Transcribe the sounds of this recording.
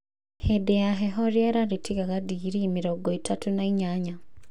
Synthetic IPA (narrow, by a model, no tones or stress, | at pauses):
hedejaɦɛɦɔɾjaɾaɾetʰiɣaɣadiɣɾimiɾɔɡɔitʰatunaiɲaɲa